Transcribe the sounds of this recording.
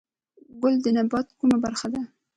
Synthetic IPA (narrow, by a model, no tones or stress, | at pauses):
ɡʊld̪ənabɑt̪kumabaɾxad̪a